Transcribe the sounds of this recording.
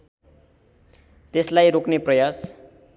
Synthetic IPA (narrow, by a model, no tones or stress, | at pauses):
t̪eslajɾokneprʌjas